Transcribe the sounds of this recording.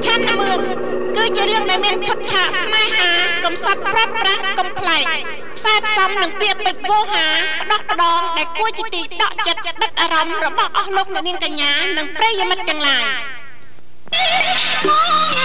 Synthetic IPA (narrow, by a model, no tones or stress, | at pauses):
t͡ɕʰanːɨmɨəŋ | kɨːt͡ɕiəɾɨəŋɗaɛlmiənt͡ɕʰʊt̪̚t͡ɕʰaːʔsmaɛɦaːkɑmsɑt̪̚prɔt̪̚prahkompʰlaɛk̚ | pʰsaɛpʰsɑmnɨŋpiəʔpɨc̚ʋoːɦaːpə̆ɗɑhpə̆ɗɑːŋɗaɛlkuət͡ɕiət̪iːɗɑ̰ʔt͡ɕət̪̚ɗət̪̚ʔaːɾɑmrɔɓɑhʔɑhloːk̚nɛ̆əʔniəŋkaɲːaːnɨŋprɛəjimɨt̪̚ːɛ̆əŋlaːj